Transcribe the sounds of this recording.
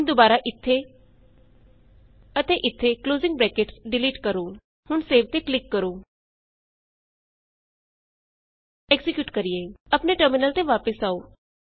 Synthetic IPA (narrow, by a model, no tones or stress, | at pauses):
ɦnd̪obaːɾaːʔɪt̪ʰːeː | ət̪eːʔɪt̪ʰːeːkloːzɪ̃ŋɡ̚bɾɛːkeʈsɖɪliːʈkəɾoː | hʊnseːʋt̪eːklɪkːəɾoː | ɛɡzɪkjuːʈkəɾieːəpneʈəɾmɪnəlt̪eʋaːpəsaːoː